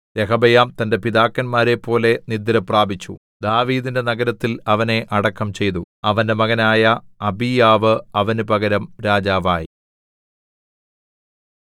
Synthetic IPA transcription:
ɾekɐbɐjaːmt̪ɐnde̞piðaːkːɐnmaːɾe̞pːo̞ːle̞nid̪ːɐɾɐpraːbʱit͡ɕːṵ | d̪aːʋiːðinde̞nɐɡɐɾɐt̪ːilɐʋɐne̞ʔɐɽɐkːɐmt͡ɕe̞jt̪uɐʋɐnde̞mɐɣɐnaːjɐɐbijaːʋɨɐʋɐnupɐɡɐɾɐmɾaːd͡ʑaːʋaːji

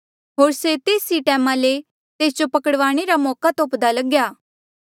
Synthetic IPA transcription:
ɦoːɾset̪eːsiʈɛːmãle | t̪eːsd͡ʒopɐkəɽʋaːɽ̃eɾamɔːkat̪oːpd̪alɐɡjaː

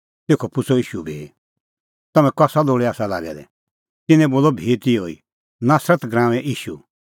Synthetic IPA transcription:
t̪eːkʰɔpʊt͡sʰɔiːʃubʱiː | t̪ɐmɛ̃kɔsaloːɽɛaːsala̰ːɡɛ̰lɛ̰ | t̪ɪnɛ̃boːlɔbʱiːt̪ioḭ | naːsɾət̪ɡɾãːʋɛ̃ʔiːʃu

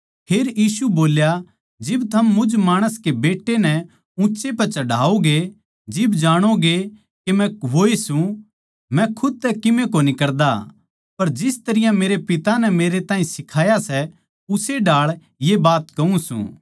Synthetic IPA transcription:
pʰeːɾjiːsuboːlja | d͡ʒɪbt̪ʰɐmːʊd͡ʒmaːɽ̃əskebeːʈːenɛ | ũːt͡ʃepɐt͡ʃɐɖʱaːoɡe | d͡ʒɪbd͡ʒaːɽ̃oɡe | kemɛ̃ʋoːesũ | mɛ̃kʰʊd̪̚t̪ɛkɪmẽkonikɐɾd̪a̰ | pɐɾd͡ʒɪst̪ɐɾɪjãmeːɾepɪt̪anɛmeːɾet̪ãːĩsɪkʰaːjasɛ | ʊseɖaːɭ | jebaːt̪kɐũsṵ̃ː

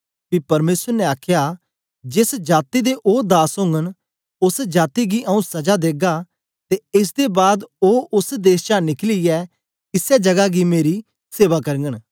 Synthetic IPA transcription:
pipɐɾmeːsəɾnɛaːkʰja | d͡ʒɪsd͡ʒaːt̪id̪eʔoːd̪aːsɦõːŋɡən | ʊsd͡ʒaːt̪iɡiʔɐũsɐd͡ʒad̪eːɡa | t̪eɪs̬d̪ebaːd̪oːʊsd̪eːst͡ʃãnɪkliɛ | kɪsjad͡ʒɐɡaɡimeːɾi | seːʋakɐɾŋɡəɽ̃

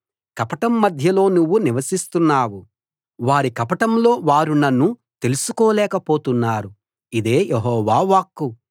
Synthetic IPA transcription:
kɐpɐʈɐmːɐd̪ʱjɐlo̞ːnuʋːuniʋɐsist̪unːaːwu | ʋaːɾikɐpɐʈɐmlo̞ːʋaːɾunɐnːut̪e̞lusukɔːlɛːkɐpo̞ːt̪unːaːɾu | id̪e̞ːjeɦɔːʋaːʋaːkːu

